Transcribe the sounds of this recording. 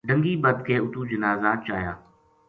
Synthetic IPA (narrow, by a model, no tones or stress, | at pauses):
ɖə̃ŋɡiːbəd̪̚keːʊt̪uːd͡ʒənaːzaːt͡ʃaːjaː